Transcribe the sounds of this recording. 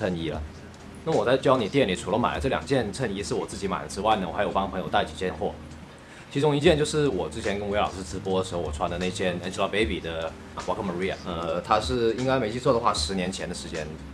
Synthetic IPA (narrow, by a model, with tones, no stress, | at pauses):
ə˥˩ni˥lə̰˧ | na˥˩mə˩wɔ˨˩t͡sa˥˩ɪt͡ɕjɑ˥ʊni˨˩t̪jɛ˥˩nli˨˩ʈ͡ʂʰu˨˥lə˧˦ma̰˨˩ɪlə˦ʈ͡ʂɤ˥˩ljɑ˨˩ŋt͡ɕjɛ˥˧nt͡sʰə˥˧ni˥ʂɻ̩˥˩wɔ˨˩t͡sɹ̩˥˩t͡ɕi˧˥ma̰˨˩ɪd̪ə˦ʈ͡ʂɻ̩˥wa˥˩ɪnə˩wxa˧˥jo˨˩ʊpɑ˥ŋpʰɤ˧ŋjo˨ʊt̪a˥˩ɪt͡ɕi˨˩t͡ɕjɛ˥˧nxwɔ̰˥˩ | t͡ɕʰi˧˥ʈ͡ʂʊ˥ŋi˧˥t͡ɕjɛ˥˧nt͡ɕjo˥˧ʊʂɻ̩˥˩wɔ˨˩ʈ͡ʂɻ̩˥t͡ɕʰjɛ˧˥nkə˥nwe˧˥ɪlɑ̰˨˩ʊʂɻ̩˥˩ʈ͡ʂɻ̩˧˥pwɔ˥d̪ə˨ʂɻ̩˧˥xʊwɔ˨˩ʈ͡ʂʰwa˧˥ndə˧ne˥˩ɪt͡ɕjɛ˥˩nɛ˥˩t͡ɕi˥lɑ˥˩pe˥ɪpi˨˩d̪ə˦˩ | kwa˧˥kʰmə˧˥ɻi˥a̰˨˩ə˧t̪ʰa˥ʂɻ̩˥˩i˥ŋka˥ɪme˧˥ɪt͡ɕʰy˥t͡swɔ˥˩d̪ə˩xwa˥˩ʂɻ̩˧˥njɛ˧˥nt͡ɕʰjɛ˧˥nd̪ə˧ʂɻ̩˧˥t͡ɕjɛ̰˥n